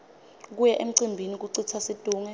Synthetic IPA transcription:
k̬ujɛʔem̩ǀimbʱinik̬uǀit͡sʰasid̥ʱʼuːŋɛ

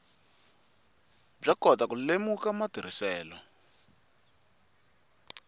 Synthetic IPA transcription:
b͡ʐakɔtakulemukamad̥ʱiɾ̤isɛːlɔ

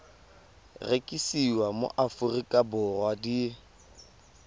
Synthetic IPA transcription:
rekʼisiwamo̰ʔafʊrikʼabʊrwadi

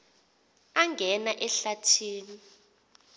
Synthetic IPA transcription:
aŋɡʱɛnaʔɛɬatʰiːni

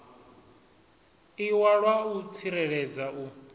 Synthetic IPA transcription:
iwaɺwaut͡sʰiɾɛɺɛd͡zaʔu

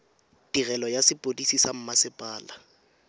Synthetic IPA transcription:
d̥irɛlɔjasɪpʼodisisam̩masɪpʼaːla

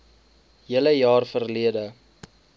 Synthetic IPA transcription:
ɦiələjɑːrfərliədə

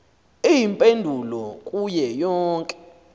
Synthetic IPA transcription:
ijimpʼendʱulɔkʼujɛjɔːŋkʼɛ̥

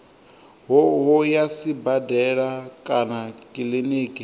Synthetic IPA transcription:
ɦɦɔjasibadɛɺakʼanakʼiliniːkʼi

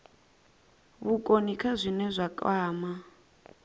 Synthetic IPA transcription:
βukʼonikʰazʷinɛzʷakʼaːma

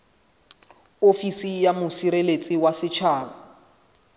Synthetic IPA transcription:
ofisijamʊsiɾelet͡sʼɪwasɪt͡ʃʰaːbʊ

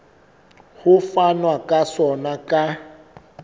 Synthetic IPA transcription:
hʊfanwakʼasɔnakʼa

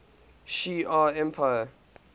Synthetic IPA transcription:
ʃiːaɛ̃mpʰaɪə

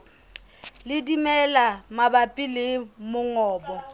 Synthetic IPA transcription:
lɪdimɛlamabapʼɪlɪmʊŋɔːbɔ

